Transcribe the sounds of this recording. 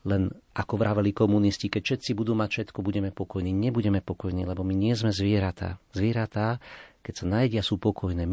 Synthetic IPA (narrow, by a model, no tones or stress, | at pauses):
lɛnʔakɔʋɾaːʋalikɔmuniscikɛcʃɛt̪t͡sibud̪uːmacfʃɛt̪kɔbuɟɛmɛpɔkɔjniːɲɛbuɟɛmɛpɔkɔjnḭːlɛbɔmiɲɪɛzmɛzʋɪɛɾat̪a̰ːzʋɪɛɾat̪akɛcsanaːjɟɪasuːpɔkɔjnɛː